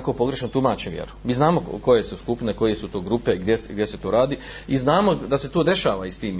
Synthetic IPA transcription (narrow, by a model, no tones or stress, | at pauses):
kopo̞ɡɾe̞ʃnot̪umaːt͡ʃeʋjḛɾu̥miːznaːmoko̞jesuskupneko̞je̞sut̪o̞ːɡɾupeɡd̪ʲjesɡd̪jese̞t̪o̞ːɾaːd̪i | iznaːmo̞d̪ase̞t̪od̪e̞ʃaːʋaist̪iːm